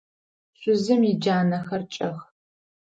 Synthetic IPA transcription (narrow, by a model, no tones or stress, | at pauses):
ɕʷʼʊzɨmid͡ʒaːnɐxɐrt͡ʃʼɐx